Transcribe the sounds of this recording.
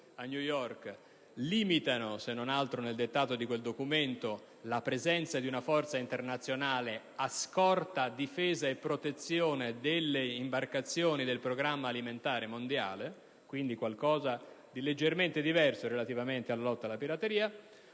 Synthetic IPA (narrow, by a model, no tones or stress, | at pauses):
anjujɔrk | liːmit̪anosenːonalt̪ɾoneld̪et̪ːaːt̪od̪ikweld̪okument̪o | lapɾezɛnt̪sad̪iunafɔrt̪saint̪ernat̪sːjonaːle | askɔrt̪ad̪ifeːzaepːɾot̪et̪sːjoːned̪elːeimbarkat̪sːjoːnid̪elpɾoɡɾamːaːliment̪aːɾemond̪ja̰ːle | kwind̪ikwalkɔːza | d̪iled͡ʒːerment̪ed̪ivɛrsoɾelat̪ivament̪ealːalɔt̪ːalːapiɾat̪eɾiːa